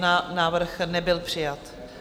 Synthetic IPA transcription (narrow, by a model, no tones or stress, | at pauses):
naːvr̩xnɛbɪlpr̝̥ɪjat̪